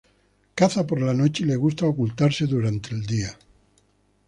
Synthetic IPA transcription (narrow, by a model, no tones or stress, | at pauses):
kaθapoɾlano̞t͡ʃele̞ɣ̞ust̪aokult̪aɾse̞ðuɾant̪e̞ːld̪ia